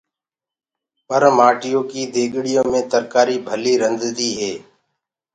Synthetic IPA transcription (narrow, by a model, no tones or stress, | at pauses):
pəɾmaːʈɪjõːkiːd̪ʱeːɠɽɪjõːmẽːt̪əɾkaːɾiːbʱəliːɾənd̪d̪iːɦeː